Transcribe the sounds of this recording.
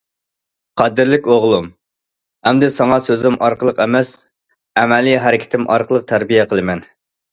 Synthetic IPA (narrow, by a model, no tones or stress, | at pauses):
qʰɑd̪ɪɾlɪkʲoʁlˠum | hɛmd̪ɪsɑŋɑsøzɪmʔɑɾqəlˠəqɛmɛs | ɛmɛlijɦɛɾɪkʲʰɪ̥t̪ʰɪmʔɑ̰ɾqəlˠəq̚t̪ʰæɾbijɛqʰəlˠɨmɛn